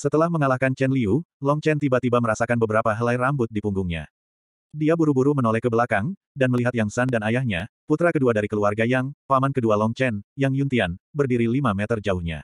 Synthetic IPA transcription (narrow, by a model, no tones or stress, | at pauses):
sət̪əlahməŋalahkant͡ʃɛnliulɔŋt͡ʃɛnt̪ibat̪ibaməɾasakanbəbəɾapaɦəlajrambʊt̪̚dipuŋɡuŋɲa̰ | diabuɾubuɾumənɔlɛkːəbəlakaŋ | danməliɦat̪jaŋsandanajahɲaput̪ɾakəduadaɾikəluarɡajaŋpamankədualɔŋt͡ʃɛnjaŋjunt̪ianbərdiɾilimamɛt̪ərd͡ʒaʊhɲa̰